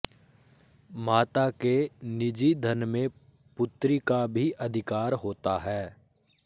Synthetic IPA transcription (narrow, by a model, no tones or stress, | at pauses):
maːt̪akenɪd͡ʒid̪ʱənmẽ | pʊt̪ɾikabʱiʔɐd̪ʱɪkaːɾɦoːt̪aɦɛː